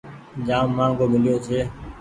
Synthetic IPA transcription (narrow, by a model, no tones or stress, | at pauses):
d͡ʒaːmːãːŋɡoːmɪlijoːt͡ʃʰeː